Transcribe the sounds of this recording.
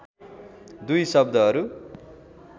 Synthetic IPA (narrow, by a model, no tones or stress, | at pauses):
d̪ujsʌb̚d̪ʱʌɦʌɾu